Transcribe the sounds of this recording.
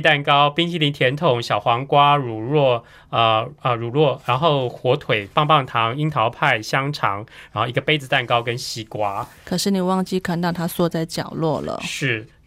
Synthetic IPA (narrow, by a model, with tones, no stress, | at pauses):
t̪a˥˧˩nkɑ˥˦ʊpi˥ŋɕi˥li˧nt̪ʰjɛ˧˥nt̪ʰʊ˨˩ŋɕjɑ˨˩ʊxwɑ˧˥ŋkwa˦˥ɻu˨˩ɻwɔ˥˩ | ə˧ə˧ɻu˨˩ɻwɔ˥˩ɻa˧˥nxo˥˩ʊxwɔ˧˥t̪ʰwe˨˩ɪpɑ˥˧ŋpɑ˥˩ŋt̪ʰɑ˧˦˥ŋi˧˥ŋt̪ʰɑ˧˥ʊpʰa˥˩ɪɕjɑ˥ŋʈ͡ʂʰɑ˧˥ŋɻa˧˥nxo˥˧˩i˧ɡə˧pe˥ɪd͡zɹ̩˨˧t̪a˥˩nkɑ˥ʊkə˦nɕi˧˥kwa˧˥kʰɤ˨˩ʂɻ̩˥˩ni˨˩wɑ˥˧ŋt͡ɕi˥˩kʰa˥˩nt̪ŋt̪ʰa˥swɔ˥˧t͡sa˥˧˩ɪt͡ɕjɑ̰˨˩ʊlwɔ˥˩lə̰˩ʂɻ̩˥˩